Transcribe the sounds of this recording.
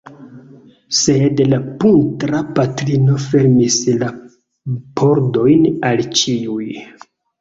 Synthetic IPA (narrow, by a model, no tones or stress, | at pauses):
se̞dlapuntɾapatɾino̞fe̞ɾmisla | pʰo̞ɾdo̞jnalt͡ʃiuj